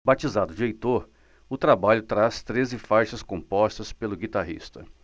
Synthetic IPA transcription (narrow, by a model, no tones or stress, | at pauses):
bat͡ʃizad̪ʊd͡ʒɪejt̪oɾ | ʊt̪ɾabaʎʊt̪ɾast̪ɾezɪfajʃɐskõpɔst̪ɐspelʊɡit̪aɦḭst̪ɐ